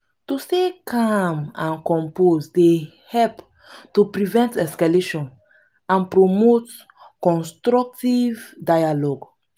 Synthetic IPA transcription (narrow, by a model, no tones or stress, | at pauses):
tusekʰamãnkɔ̃mposde | hɛlp | tupɾivɛ̃ntɛskaleʃɔ̃n | ãnpɾomot | kɔ̃nstɾɔk̚tivdajalɔɡ